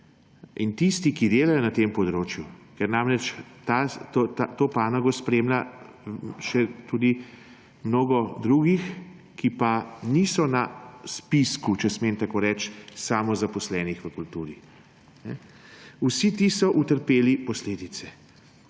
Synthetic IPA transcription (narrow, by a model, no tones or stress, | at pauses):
int̪ist̪ikid̪eːlajɔnat̪empɔd̪ɾoːt͡ʃjukɛɾnaːmɾɛt͡ʃt̪at̪ot̪at̪opaːnaɡɔspɾemla | ʃɛt̪ud̪i | mnoːɡɔd̪ɾuɡix | kipanisɔnaspiskut͡ʃɛsment̪akoːɾɛt͡ʃsaːmɔzapɔslɛːnixʋəkult̪uːɾi | nɛ̰ | usit̪isɔʔut̪əɾpeːlipɔsleːd̪it̪sɛ